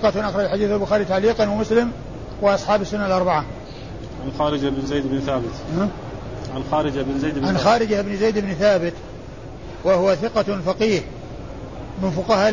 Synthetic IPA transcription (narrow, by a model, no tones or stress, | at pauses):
qɑʔaxɾˤɑd͡ʒħad̪iːθalbʊxaːɾɪit̪aʕliːqɑnwamʊslɪm | wɪʔɑsˤħɑːbɪsːʊnːalʔɑɾˤbaʕa | ʕanxaːɾɪd͡ʒaɪbnzajd̪ɪbnθaːbɪt̪ma | ʕanxaːɾɪd͡ʒabnzajd̪ʕanxaːɾɪd͡ʒaʔɪbnzejd̪ɪbnθaːbɪt̪ | wahʊwaθɪqɑfɑqiːh | mɪnfʊqɑhaː